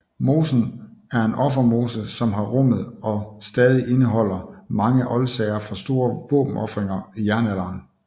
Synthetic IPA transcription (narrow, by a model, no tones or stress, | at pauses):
mo̝ːsn̩æɐe̝nʔɒ̽fɐmo̝ːsəsɒ̽mɦɑ̈ʁɔm̰ð̞̩ˠɒ̽sd̥ɛːð̞ˠiʔe̝nəɦɒ̽l̰ɐmɑ̈ŋəʔɒ̽lsɛɪɐfʁɑ̈sd̥o̝ːɐʋɔ̰ːb̥m̩ɒ̽fʁeŋɐijæɐnælɑːn